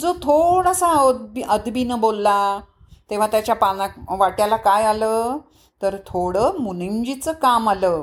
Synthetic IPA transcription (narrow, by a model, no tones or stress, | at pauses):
d͡zot̪ʰoɽasabiəd̪binəbolːa | t̪eʋ̤at̪jat͡ɕjapanakʋaʈjalakajaləː | t̪əɾt̪ʰoɽəːmuniɲd͡ʑit͡səkamaləː